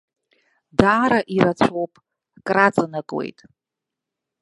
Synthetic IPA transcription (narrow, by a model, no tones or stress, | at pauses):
daːɾaʔiɾat͡ɕʷʰowpʼ | kʼrat͡sʼanakʼwḛjtʼ